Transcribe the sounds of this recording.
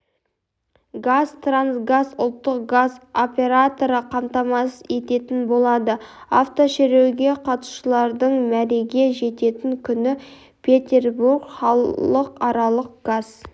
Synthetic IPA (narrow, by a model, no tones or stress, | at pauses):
ɡazt̪ransɡazʊ̰lˠt̪ːəqɡazo̞pʲe̞ɾat̪o̞ɾəqʰɑmt̪ɑmɑsəe̞t̪e̞t̪ɪnbo̞lˠɑd̪əa̰ft̪o̞ʃeɾe̞wɡʲe̞qʰɑt̪u̥ʃəlˠɑɾd̪əɴmæɾe̞ɡʲe̞ʒe̞t̪e̞t̪ɪŋkʲʰʏnɪ | pʰʲe̞t̪ʲe̞rburɡχɑləqɑɾɑlˠəq̚ɡ̥az̥